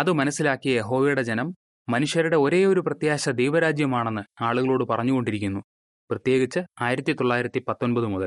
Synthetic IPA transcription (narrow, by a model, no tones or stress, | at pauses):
ɐðɨmɐnɐsːilaːkːijɐje̞ɦo̞ːʋɐjuɽe̞d͡ʑenɐmː | ɐnuʂjɐɾuɽe̞o̞ɾe̞ːo̞ɾuprɐt̪jaːɕɐd̪ejʋɐɾaːd͡ʑjɐmaːɳe̞nːɨaːɭuɣɐɭoːɽɨpɐrɐɲːuɣo̞ɳɖiɾikʲːunːu | prɐt̪je̞ːɡit͡ɕːɨaːjiɾɐt̪ːit̪o̞ɭːaːjiɾɐt̪ːipɐt̪ːo̞nbɐðɨmuðɐl